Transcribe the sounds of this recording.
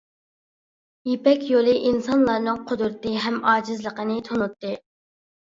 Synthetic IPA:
jepɛkʲjolˠɨʔinsɑnlˠɑɾnɨŋqʰʊd̪uɾt̪ɨɦɛmɑːd͡ʒɪzlˠəqənɨt̪ʰonut̪ːɨ

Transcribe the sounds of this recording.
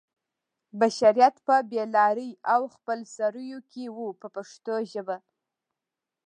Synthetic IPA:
baʃaɾijat̪pəbelɑɾəjawxpəlsaɾəjokʲʰewupəpaʂt̪oʒəba

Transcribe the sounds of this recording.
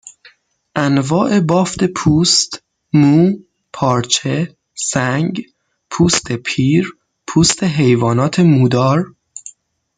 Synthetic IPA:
ʔænvɒːʔe̞bɒːft̪e̞pʰuːst̪ | muː | pʰɒːɾt͡ʃʰe̞ | sæŋɡ | pʰuːst̪ʰepʰiːɾ | pʰuːst̪ʰe̞ɦejvɒːnɒːt̪ʰe̞muːd̪ɒːɾ

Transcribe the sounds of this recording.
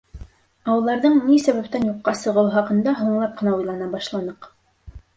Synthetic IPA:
ɑwɤ̆lˠd̪ɑɾðɤɴnisæβæp̚t̪ænjuqːɑsɤ̆ʁɤ̆wχɑqɤ̆nd̪ɑɦuɴlˠɑp̚qɤ̆nɑujlˠɑnɑbɑʃlˠɑnɤq

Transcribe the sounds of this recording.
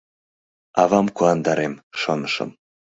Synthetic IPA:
ɑβɑmkuɑnd̪ɑɾemʃonəʃɤ̰m

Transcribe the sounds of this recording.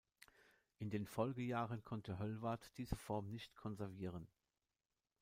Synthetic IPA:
ʔɪndeːnfɔlɡəjaːʁənkʰɔntəɦœlvaɐtd̥iːzəfɔɐmnɪçtkʰɔnzɛɐviːʁ̞ən

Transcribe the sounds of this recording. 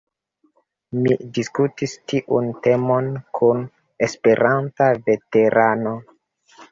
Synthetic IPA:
mḭdiskutistiʔunte̞mo̞nkʰun | espe̞ɾʔantave̞te̞ɾʔano̞

